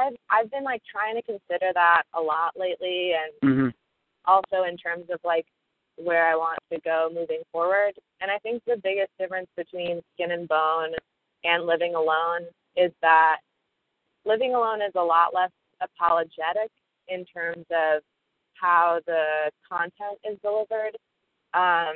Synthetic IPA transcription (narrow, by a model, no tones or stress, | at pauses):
aɪvʔaɪvbɨ̃nlaɪk̚tʰɹ̥aɪɪ̃ŋtʰɨkɨ̃nsɪɾə˞ðəɾəlɔʔleɪʔliɨ̃n | ʔɔlˠsoʊɨ̃ntʰɜ̃˞mzʌv̥laɪk | wə˞aɪwɑ̃ntʰɨɡoʊmʉvɪ̃ŋfɔɹwə˞d | ɨ̃ñaɪθɪ̃ŋk̚ðɨbɪɡɨsd̥ɪfɹɨ̃nsb̥ɨtʰw̥ĩnskɪ̃nɨ̃nbõʊ̃n | ʔɨ̃nlɪvɪ̃ŋəlõʊ̃n | ɪzðət̚ | lɪvɪ̃ŋəlõʊ̃nɨzəlɔʔlɛs | ɨpʰɑlˠəd͡ʒɛɾɪk | ɨ̃ntʰɜ̃˞mzʌv̥ | haʊðɨkʰɑ̃ntʰɛ̃ntɪzdəlɪvə˞d | ʔʌ̃m